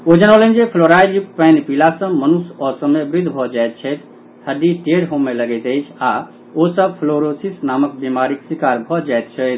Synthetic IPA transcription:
od͡ʒənolə̃nd͡ʒepʰloɾajluppɛnpilasə̃mənusɔsəmebɾid̪ʱbʱɔd͡ʒaet̪̚t͡ʃʰɛt̪ | həd̪iʈeɽɦomeləɡɛt̪əɪt͡ʃʰa | osəb̚pʰloɾosisnamək̚bimaɾiksikaɾbʱɔd͡ʒaɪt̪̚t͡ʃʰɛt̪ʰ

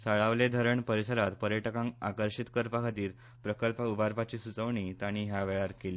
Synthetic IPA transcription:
səɭaʋled̪ʱəɾəɳpəɾisəɾat̪pəɾjəʈkãŋa̰kəɾɕit̪kəɾpakʰət̪iːɾ | pɾəkəlpubʱaɾpat͡ɕiːsut͡səʋɳit̪aɽ̃iːɦjaʋeɭaɾkeli

